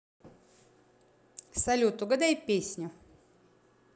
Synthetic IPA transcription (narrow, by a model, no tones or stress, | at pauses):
sɐlʲut̪ʊɡɐd̪ajpʲesʲnʲʊ